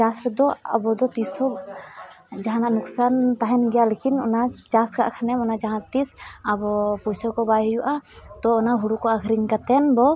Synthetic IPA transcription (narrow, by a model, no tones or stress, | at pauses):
t͡ʃasɾɛd̪ɔa̰bɔd̪ɔt̪isɔ | d͡ʒaɦanaʔnuksant̪aɦɛnɡɛjalekinɔ̰nat͡ʃaska̰ʔkʰanɛmɔnad͡ʒaɦãt̪isabɔpusɔkɔbajjuʔat̪ɔɔnaɦuɽukɔaɡʱɾiŋkat̪ɛnbɔ